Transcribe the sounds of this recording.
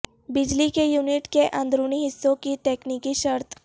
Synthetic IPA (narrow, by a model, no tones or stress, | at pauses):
bid͡ʑlikejuːniʈkeʔãnd̪ɾuːɳiɦisːokit̪eknikiɕəɾt̪ʰ